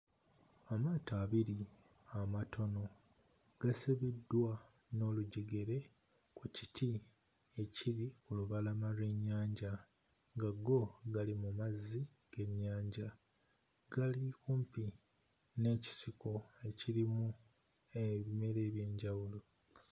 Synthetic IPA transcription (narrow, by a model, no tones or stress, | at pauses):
amaːtaːβiɾi | amatʰo̞no̞ | ɡ̥asiβidːwa | no̞ːluɟiɡeɾe̞ | kuci̥tʰi | e̞ciɾikuluβalamaɾeɲːaːɲɟa | ŋɡaɡo̞ɡalimumazːi | ɡ̥e̞ɲːaːɲɟa | ɡ̥alikuːmpi | ne̞ːci̥siko̞e̞ciɾimu | eβime̞ɾe̞ːβje̞ːɲɟawulo̞